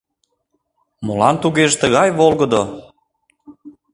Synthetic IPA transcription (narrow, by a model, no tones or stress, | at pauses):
molɑnt̪uɣeʒt̪əɣɑjβolɣəd̪o